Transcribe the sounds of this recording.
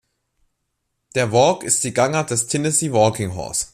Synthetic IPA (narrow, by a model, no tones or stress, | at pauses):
d̥eːɐvɔːkɪst̚d̥iːɡaŋɐd̥ɛstʰɛnəsiːvɔːkɪŋɦɔ̰ɐs